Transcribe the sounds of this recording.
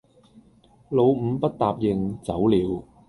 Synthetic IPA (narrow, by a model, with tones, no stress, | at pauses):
lo˨˧wm̩˨˧pɐ˥t̚t̪aː˨p̚jɪ˨ŋt͡sɐ˨˥wliː˨˧˥w